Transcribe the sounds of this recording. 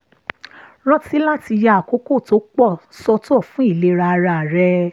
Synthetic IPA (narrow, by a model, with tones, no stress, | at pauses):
ɾ̃ɔ̃˦ti˨˦la˦ti˧ja˧˨a˨ko˨˦ko˦˨to˨˦k͡pɔ˦˨sɔ˧tɔ˦˨fũ˦i˦˨le˨˧ɾa˧ɾa˧˨ɾɛ˧